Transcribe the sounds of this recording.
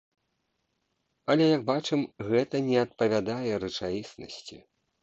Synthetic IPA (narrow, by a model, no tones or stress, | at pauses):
ɐlʲɛjɐɡ̚bat͡ʂɨmɣɛt̪ɐnʲɛɐt̪̚pɐvʲad̪ajɛɾɨt͡ʂajisnɐ̰sʲt͡sʲḭ